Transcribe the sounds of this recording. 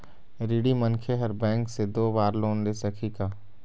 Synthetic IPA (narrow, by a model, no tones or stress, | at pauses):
ɾiɽimɐnkʰeɦɐɾbɛ̃ːŋksed̪oːbaːɾloːnd̪esɐkʰikaː